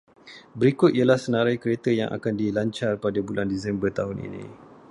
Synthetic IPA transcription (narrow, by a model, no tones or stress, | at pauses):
bəɾikʊt̪̚ijalahsənãɾajkəɾet̪əja̰ŋʔa̰kandilaɲt͡ʃarpadabulandisɛmbərt̪aɦʊnḭnḭ̃